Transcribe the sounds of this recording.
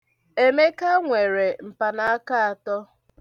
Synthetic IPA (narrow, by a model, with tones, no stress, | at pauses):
e˦me˦ka˦ŋʷe˨ɾe˨m̩˨pa˨na˦a˦ka˦a˨tɔ˦